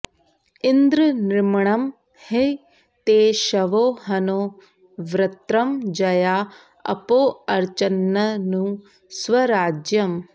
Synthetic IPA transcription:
ind̪ɾɨnɾɪmɳɐm | he | t̪eːʃɐʋoːɦɐnoː | ʋɾɐt̪ɾɐmd͡ʒɐjaː | ɐ̰poːɐɾt͡ʃɐnːɐnũː | sʋɐɾaːd͡ʒjɐm

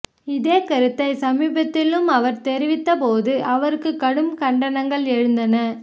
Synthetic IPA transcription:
ɪðeːkɐɾɯt̪ːɐɪsɐmiːbɐt̪ːɪlɯmɐʋɐɾt̪ɛɾɪʋɪt̪ːɐpoːðɯʔɐʋɐɾɯkːɯkːɐɽɯmkɐɳɖɐnɐŋɡɐɭɛɻɯnd̪ɐnɐ

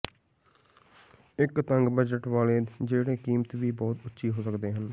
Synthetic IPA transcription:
ɪkt̪əŋɡbəd͡ʒəʈʋaːleːd͡ʒeːɽeːkiːmt̪ʋiːbɔːt̪ʊtːʃʰiːɦoːsəkd̪eːɦən

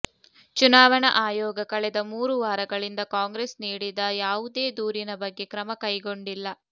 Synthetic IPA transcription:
t͡ʃunaːʋɐɳɐʔaːjɔːɡɐkɐɭɛd̪ɐmuːɾuʋaːɾɐɡɐɭind̪ɐkaːŋɡɾesniːɽid̪ɐjaːʋud̪e̞ːd̪uːɾinɐbɐɡːe̞kɾɐmɐkɐjɡo̞ɳɖilːɐ

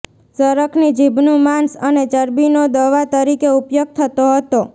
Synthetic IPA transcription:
səɾəkʰnid͡ʒibnũmãnsənet͡ʃəɾbinod̪əʋat̪əɾikeupjoɡ̚t̪ʰət̪oɦət̪o

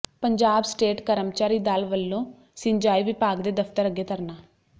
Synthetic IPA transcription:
pəɲd͡ʒaːbsʈeːʈkəɾəmt͡ʃaːɾiːd̪aːlʋəlːõː | sɪɲd͡ʒaːiːʋɪpaːɡd̪eːd̪əfʰt̪əɾəɡeːt̪əɾnaː

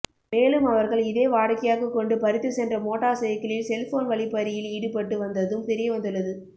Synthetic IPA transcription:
meːlɯmɐʋɐɾɣɐɭɪðeːʋaːɽkːɐjaːɣɐkːɔɳɖɯpɐɾɪt̪ːɯsɛndrɐmoːʈːaːsɛjɐkːɐɭɪlsɛlfoːnʋɐɭɪpːɐɾɪjɪliːɽɯpɐʈːɯʋɐnd̪ɐðɯmt̪ɛɾɪjɐʋɐnd̪ɯɭːɐðɯ

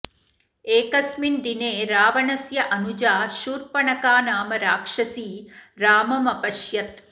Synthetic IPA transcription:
eːkɐsmind̪ineːɾaːʋɐɳɐsjɐʔɐnud͡ʒaːʃuːɾpɐɳɐkaːnaːmɐɾaːkʂɐsiːɾaːmɐmɐpɐʃjɐt̪̚

